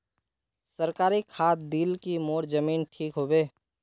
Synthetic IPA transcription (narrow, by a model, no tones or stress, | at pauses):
səɾkaːɾikʰaːt̪̚d̪ilkimoːɽd͡ʒəmiːnʈʰiːkɦoːbeː